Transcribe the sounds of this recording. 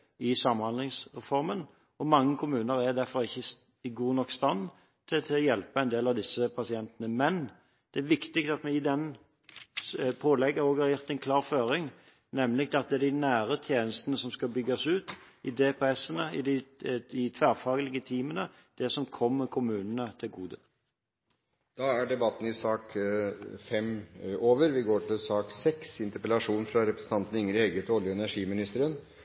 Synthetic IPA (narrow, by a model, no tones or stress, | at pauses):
ɪsɑmːhɑnd̪lɪŋsʁɛfɔɾmən | ɔmɑŋːəkʰʊmʉːnəɾæd̪æɾfɔɾɪçːə | ɡuːnɔkst̪ɑn | t̪ʰɪt̪ʰɛljɛlpəɛɪnd̪eːlɑʋd̪ɪsːəpʰɑsɪɛnt̪ənəmɛn | d̪̥ɛæɾʋɪkt̪ɪkt̪ɑt̪mɛɪd̪ɛn | pʰoːlɛɡːəɾoːɡhɑɾjʊʁt̪ɛɪnkʰlɑːɾføːɾɪŋ | nɛmlɪk̚t̪ɛɑt̪̚d̪ɛɛd̪ɪnæːɾət̪ʰjeːnəst̪ənəsɔmskɑbʏɡːɑsʉːt̪ɪd̪eːpʰɛsənəɪd̪ɪɪt̪ʰʋæːʁfɑːɡəlɪɡət̪ʰiːmənə | d̪̥ɛsɔmkʰɔmːəkʰʊmʉːnənət̪ʰɪlɡuːd̪ə | d̪̥ɑːæɖɛbɑt̪ːn̩ɪsɑːk | fɛmoːʋəɾʋɪɡoːʈʰɪlsɑːksɛksɪnt̪əɾpɛlɑʂuːnfɾɑɾɛpɾəsn̩t̪ɑnt̪ənɪŋːɾɪɛɡəet̪ɔljəɛnæʂiːmɪnɪst̪əɾən